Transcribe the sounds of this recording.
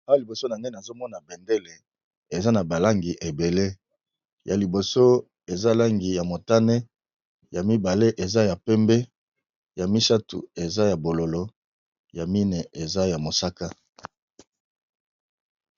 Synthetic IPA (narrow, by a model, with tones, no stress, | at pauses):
a˦˨li˨bo˨so˦na˨ne˦˨na˨zo˦mɔ˦na˨bɛ˨nde˦le˨ | e˨za˦na˨ba˨la˦ŋɡi˨ʔe˨be˨le˦ | ja˨li˨bo˨so˦ | e˨za˦la˦ŋɡi˨ja˨mo˨ta˦ne˦ | ja˨mi˦ba˨le˦ʔe˨za˦ja˨pɛ˦mbɛ˦ | ja˨mi˦sa˦tṵ˨e˨za˦ja˨bo˨lo˨lo˦ | ja˨mi˦ne˨ʔe˨za˦ja˨mo˨sa˦ka˦